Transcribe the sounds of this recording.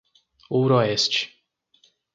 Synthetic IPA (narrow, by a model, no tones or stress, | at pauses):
owɾɔɛst͡ʃɪ̥